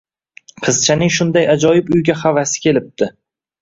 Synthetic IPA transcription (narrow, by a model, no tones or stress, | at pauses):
qʰɨzt͡ʃʰanɪŋʃʊnd̪ajad͡ʒɒjɪbʊjɡʲaχavasɪ̥kʲʰe̞lɪp̚d̪ɪ